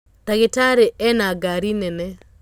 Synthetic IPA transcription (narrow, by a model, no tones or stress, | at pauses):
t̪aɡɪtaɾeʔɛnaɡaɾinɛnɛ